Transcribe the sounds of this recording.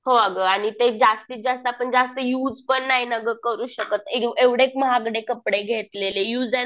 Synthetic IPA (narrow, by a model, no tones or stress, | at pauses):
hoəɡəaɽ̃it̪ed͡zast̪iːt̪̚d͡zast̪əapəɳd͡zast̪əjuːd͡zpəɳːaɦinəɡəkəɾuːɕəkət̪eeʋɽekməɦaɡɽekəpɽeɡʱet̪lelejuːd͡zɛ